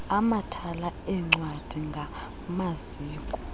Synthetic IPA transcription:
amatʰalaɛŋ͡ǀwad̥ʱiŋɡʱa | maziːkʼɔ

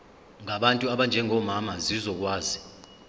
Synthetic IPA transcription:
ŋaɓantʼuaɓand͡ʒʱɛŋʱɔmamazizɔk̬waːzi

